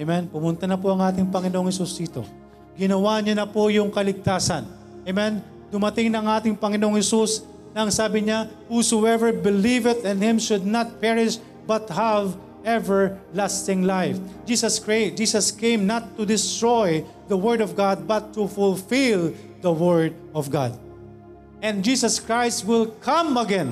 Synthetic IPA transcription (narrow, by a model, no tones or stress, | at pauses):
ʔemɛnpʊmʊnt̪ɐnɐp̬oʔɐŋʔaːt̪̬ɪŋpɐŋɪnoʔoŋhɛsusd̪iːt̪o̞̰ | ɡɪnɐwaɲɐnɐpojʊŋkɐlɪɡ̚t̪aːsɐn | ʔemɛn | d̪ʊmɐt̪ɪŋnɐŋʔaːt̪ɪŋpɐŋɪnoʔoŋhɛsus | nɐɐŋsaːbɪɲa | husoɛvəɹbɪlivɪt̪ɛ̃nhɪ̃mʃʊd̪̚nat̪̚pɛɹɪʃ | bɐt̪hav | ʔɛvɛɹlast̪ɪ̃ŋlajfd͡ʒisɐskɹad͡ʒiːsɐskẽjmnat̪ːʊd̪ɪst̪ɹoj | d̪ɐwɛɹd̪ɔvɡad̪̚bɐt̪ːufʊlfɪl | d̪ɐwɛɹd̪̚ | ɔvɡa̰d̪̚ | ʔɛ̃nd̪̚d͡ʒiːsɐskɹajst̪̚wɪlkʰãmɐɡɛ̃n